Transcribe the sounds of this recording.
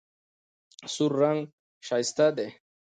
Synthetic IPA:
suɾːaŋ | ʃajst̪ad̪e

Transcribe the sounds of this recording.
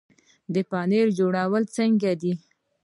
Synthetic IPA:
d̪əpɑneɾd͡ʒoɽawəlt͡səŋɡad̪i

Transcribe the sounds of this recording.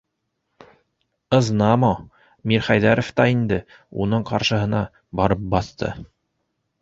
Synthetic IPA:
ɤ̆znɑmɑ | miɾχæjðæɾŏft̪ɑind̪ɘ | unɤɴqɑɾʃɤ̆ɦɤ̆nɑ | bɑɾɤp̚bɑθt̪ɤ̰

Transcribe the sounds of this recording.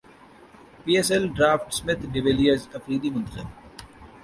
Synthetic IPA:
piːesɛlɖɾaːfʈsmɪt̪ʰɖɪʋeːlijəɾzɐfɾiːd̪imʊnt̪əxɪ̰l

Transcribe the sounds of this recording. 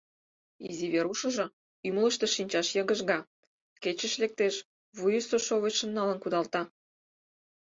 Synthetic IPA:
ḭziβeɾuʃə̆ʒŏ | ymlə̆ʃt̪ĕʃinʲt͡ɕɑʃjɤɣə̆ʒɣɑ | ket͡ɕə̆ʃlek̚t̪eʃ | βujəst̪oʃoβeʃə̆nːɑlə̆nkud̪ɑlt̪ɑ

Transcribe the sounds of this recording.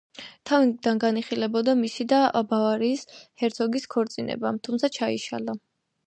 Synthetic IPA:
t̪ʰavid̪anɡaniχilɛbɔd̪amisid̪abavaɾiːshɛɾt̪sʰɔɡiskʰɔɾt̪sʼinɛ̰bat̪ʰumt̪sʰat͡ʃʰaḭʃa̰la

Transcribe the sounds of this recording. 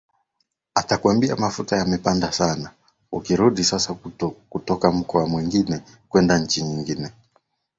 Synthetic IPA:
atakuwambia̰mafutajamɛpandasana | ukiɾuɗisasakutɔkam̩kɔamwiŋɡinɛ | kwɛndaɲ̩t͡ʃiɲiŋɡinɛ

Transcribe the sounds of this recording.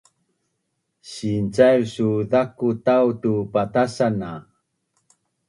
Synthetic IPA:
ɕint͡sajɾsuðakutawtupatasana

